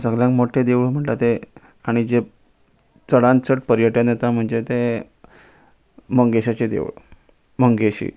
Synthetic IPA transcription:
səɡljãŋkmoʈʰed̪eʋɭm̤əɳt̪at̪e | aɽ̃id͡ze | t͡səɽãnt͡səʈ̚pəɾjəʈənjet̪am̤əɳd͡zet̪e | məŋɡeɕat͡sed̪ḛʋɭ | məŋɡeɕḭ

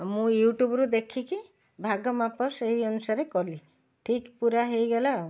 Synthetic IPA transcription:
mũjuʈubɔɾud̪ekʰiki | bʱaɡɔmapɔseɦiɔnusaɾekɔli | ʈʰikpuɾaɦejɡɔla

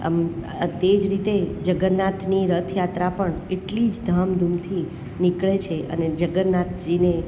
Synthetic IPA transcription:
t̪ed͡ʒɾit̪ed͡ʒəɡəɾnat̪ʰniɾət̪ʰjat̪ɾapəɳeʈlid͡ʒd̪ʱamd̪ʱumt̪ʰi | nikɭet͡ʃʰeʔə̰ned͡ʒəɡəɾnat̪̚ʰd͡ʒine

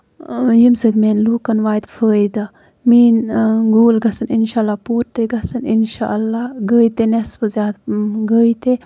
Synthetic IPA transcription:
jimsɐd̪meːnluːkɐnʋaːjd̪fəːid̪ɐ | miːnɡoːlɡɐsɨninʃaːlːaːpoːɾt̪eɡɐsɐninʃa̰ʔɐlːaːɡəːjt̪enesbəzjaːd̪ɡəːjt̪e

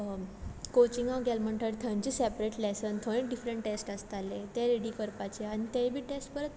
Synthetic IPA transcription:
kot͡ɕiŋɡãɡɛlməɳʈʰəɾt̪ʰənt͡ɕisɛpɾeʈlesənt̪ʰoɽ̃ẽkɖifɾəɳʈʈesʈəst̪alet̪eɾeɽikəɾpat͡ɕeañit̪ẽbʱiːʈesʈbəɾət̪

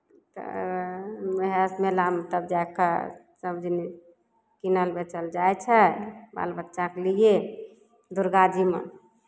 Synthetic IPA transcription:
t̪ə̰ | məɦesmelamt̪əbd͡ʒajkə̰ | səmd͡ʒini | kinəlbet͡ʃəld͡ʒajt͡ʃʰɛba̰lbətːʃakelije | d̪uɾɡad͡ʒimḛ

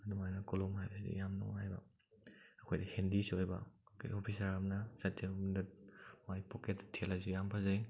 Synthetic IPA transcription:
ɐdumajnakolomhajbɐsidḭjamnɔ̰ŋɦajbɐ̰ː | kʰojdɐhendisojbɐ̰kʰa̰jopʰisaɾamnasatʰiomdɐmajpʰoketːtʰelazijampʰazaj

